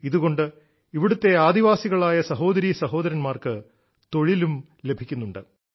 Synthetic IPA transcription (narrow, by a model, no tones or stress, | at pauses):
iðuɣo̞ɳɖɨ | iʋiɽut̪ːe̞aːd̪iʋaːsiɣɐɭaːjɐsɐɦo̞ːd̪ɐɾiːsɐɦo̞ːd̪ɐɾɐnmaːrkɨ | t̪o̞ɻilum | le̞bʱikʲːunːuɳɖɨ